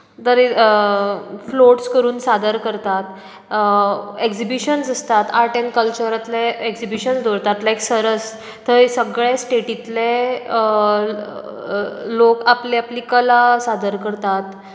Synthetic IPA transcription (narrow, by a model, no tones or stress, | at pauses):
t̪əɾe | floʈskəɾuːnsad̪əɾkəɾt̪at̪ | eksibiɕənsəst̪at̪aɾʈẽnkəlt͡ɕəɾat̪leeksibiɕənsd̪oɾt̪at̪lajksəɾəs | t̪əsəɡɭesʈeʈit̪le | lokapleaplikəlasad̪əɾkəɾt̪at̪